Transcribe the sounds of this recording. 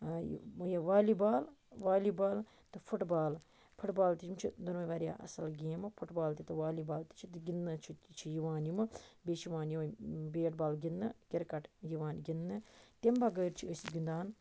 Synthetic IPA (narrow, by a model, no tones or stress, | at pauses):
j̰jaʋaːlibaːlʋaːlibaːl | t̪ɨfʰuʈbaːl | pʰʊʈbaːlt̪it͡ʃʰimt͡ʃʰid̪onmɐʋaːɾja̰ʔɐ̰sɐlɡeːmɨfʰuʈbaːlt̪it̪ɨʋaːlibaːlt̪i̥t͡ʃʰit̪ɨɡinːɨt͡ʃʰit͡ʃʰijuʋaːnjimɨbeːt͡ʃiʋaːnjiʋnbeːʈ̚baːlɡinːɨkɪɾkɐʈjiʋaːnɡinːɨt̪embɐɡəːɾt͡ʃʰiəsɡind̪aːn